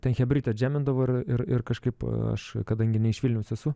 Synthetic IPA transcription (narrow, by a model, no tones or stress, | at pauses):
t̪ʲɛnxʲɛbʲɾʲɪːt̪ʲɛɐt̪ʲd͡ʒʲæːmʲɪnd̪ɐʋoːɪrɪrɪrkɐʃkɐɪpɐ̰ʃkɐd̪ɐŋʲɡʲɪnʲɛɪʃʋʲɪlʲnʲɛʊsɛsʊ